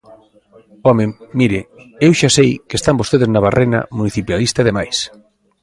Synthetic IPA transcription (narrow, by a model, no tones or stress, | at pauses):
ɔmɪmiɾɪewʃasejkest̪ambost̪eðeznaβarʔena̰muniθipjalist̪aðemajs